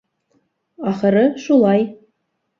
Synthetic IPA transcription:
ɑχɤ̆ɾɤʃulˠɑj

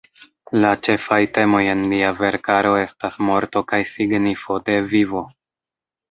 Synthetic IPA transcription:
lat͡ʃe̞fajte̞mo̞je̞nliave̞ɾkaɾo̞e̞stasmo̞ɾto̞kajsiɡnifo̞de̞vivo̞

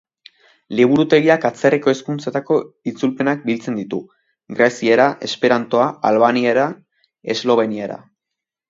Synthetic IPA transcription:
liβ̞uɾut̪e̞ɣ̞iakat͡se̞reko̞eskunt͡set̪ako̞it͡sulpe̞nak̚bilt͡se̞nd̪it̪u | ɡɾesieɾaʔe̞spe̞ɾant̪o̞aalβanieɾa | e̞zlo̞β̞e̞nieɾa̰

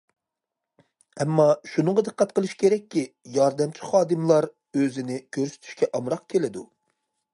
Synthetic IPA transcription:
ɛmːɑʃunɨŋʁɑd̪ɨqːæt̪̚qəlˠɨʃkʲʰeɾɛk̚ʲːijɑɾd̪ɛmt͡ʃʰi̥χɑːd̪ɨmlˠɑɾ | øzɪnɪkʲʰøɾsy̥t̪ʰy̥ʃkʲɛʔɑmɾɑqkʲʰelɪd̪u

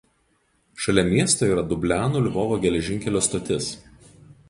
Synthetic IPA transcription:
ʃɐlʲɛmʲiɛst̪oːiːɾɐd̪ʊbʲlʲæːnuːlʲɪʋɔːʋoːɡʲɛlʲɛʒʲɪŋʲkʲɛlʲoːst̪ot̪ʲɪs

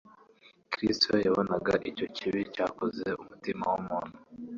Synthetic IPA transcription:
kɾistojaβonaɡaʔico̞ciβicaːko̞ze̞umutima̰wumuːnhu

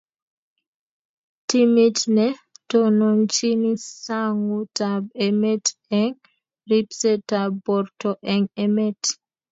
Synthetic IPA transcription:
timitnɛtɔnɔnt͡ʃinisaŋutabɛmɛtɛŋ | ɾipsɛtabɔɾtɔʔɛŋɛmɛt

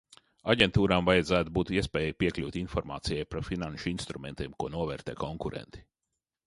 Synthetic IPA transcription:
aɟent̪uːɾaːmvajɛd̪zæːt̪ubuːt̪iɛspɛːjjipiɛklʲuːt̪ʲinfɔɾma̰ːt̪sijajpɾafinanʃinst̪ɾumɛnt̪ʲiɛmkuɔnuɔvɛːɾt̪ɛːkɔŋkuɾɛ̰nt̪i̥

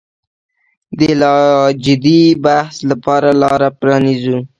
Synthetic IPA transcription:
d̪əlɑd͡ʒɪd̪ibahslapɑɾalɑɾapɾɑnizu

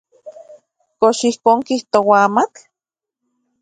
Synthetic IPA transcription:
koʃihkoːŋkiht̪owaaːmat͡ɬ

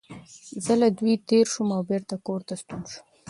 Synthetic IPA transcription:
zəlad̪wit̪eɾʃumawbeɾt̪akoɾt̪ast̪unʃu̥

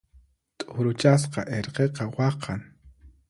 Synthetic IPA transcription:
t̪ʼʊɾʊt͡ʃas̬qɑʔeɾqeqɑwɑqʰɑŋ

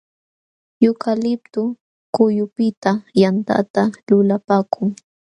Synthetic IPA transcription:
jʊkalɪp̚t̪ʊ | kʊjʊpɪt̪ajant̪a̰t̪alʊlapaːkʰʊŋ

